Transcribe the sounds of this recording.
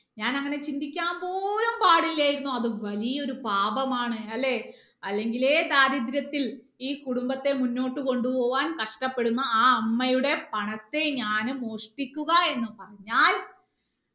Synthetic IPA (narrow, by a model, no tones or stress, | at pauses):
ɲaːnɐŋːɐne̞t͡ɕind̪ikʲːaːmbo̞ːlɐmpaːɽilːaːjiɾunːuɐðɨʋɐlijɐo̞ɾupaːbɐmaːɳɨɐlːe̞ | ɐlːe̞ŋɡile̞ːd̪aːɾid̪ɾjɐt̪ːil | iːkuɽumbɐt̪ːe̞munːo̞ːʈːɨko̞ɳɖupo̞ːʋaːnkɐʂʈɐpːe̞ɽunːɐaːɐmːɐjuɽe̞pɐɳɐt̪ːe̞ɲaːnɨmo̞ːʂʈikʲːuɣɐe̞nːɨpɐrɐɲːaːl